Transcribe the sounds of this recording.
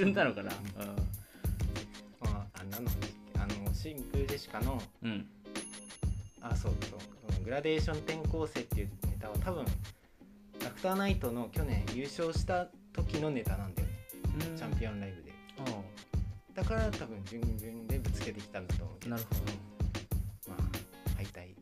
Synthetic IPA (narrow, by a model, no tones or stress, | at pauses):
ɨd̪anokana̰ɯ | maanːanoeka̰noɕĩŋkɯ̟d̪eɕi̥kano̞ | aso̞ːso̞̰ːsonoɡɯ̟ɾad̪e̞ːɕõ̞nt̪ẽ̞ŋko̞ːse̞ːt̪ːe̞jɯ̟ne̞t̪aβ̞at̪aβɯ̟̃ŋ | d̪akɯ̟̥t̪aːnait̪o̞no̞kʲo̞nẽ̞ɰ̃jɯ̟ːɕo̞ːɕi̥t̪a | t̪o̞kʲino̞ne̞t̪anãnd̪ajo̰t͡ɕãmpʲiõ̞nɾaibɯ̟d̪e̞̰ | d̪̥akaɾat̪abɯ̟̃ɲ̟d͡ʑɨ̃mɡʲɯ̟̃nd̪e̞bɯ̟t͡sɨ̥ke̞t̪e̞kʲi̥t̪ãnd̪at̪o̞̰ːmo̰naɾɯod̪ | ma̰ːhait̪ai